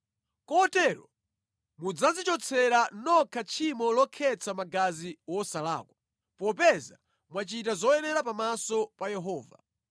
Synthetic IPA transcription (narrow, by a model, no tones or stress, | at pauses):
kɔtɛɾɔ̰ | mud͡zazit͡ʃɔt͡sʰɛɾanɔkʰat͡ʃʰimɔlɔkʰɛt͡sʰamaɡaziwɔsala̰ːkwa | pɔpɛza | mwat͡ʃitazɔjɛnɛɾapamasɔpajɛɦɔːva̰